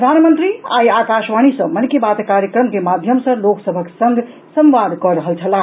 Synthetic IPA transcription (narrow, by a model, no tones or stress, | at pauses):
ɾəd̪ʱanmənt̪ɾia̰jakaʃʋañisə̃mənkebat̪kaɾjəkɾəmkemad̪ʱjəmsʌ̃loksəbʱəksə̃ŋɡ | sə̃mʋad̪ʱkɔɾəɦəlt͡ʃʰəla